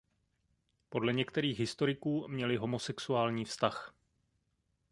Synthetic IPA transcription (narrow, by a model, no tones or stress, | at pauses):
po̞dlɛɲɛkt̪ɛɾiːxɦɪst̪o̞ɾɪkuːmɲɛlɪɦo̞mo̞sɛksuaːlɲiːfst̪ax